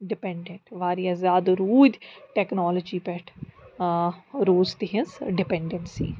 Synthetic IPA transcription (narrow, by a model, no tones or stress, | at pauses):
ɖɪpɛ̃ɳɖẽɳʈʋaːɾijazaːd̪ɾuːd̪ʈɛːknɔːləd͡ʒiːpɛʈʰ | ɾoːzt̪ɪɦɪ̃nsɖɪpɛɳɖɛɳsḭː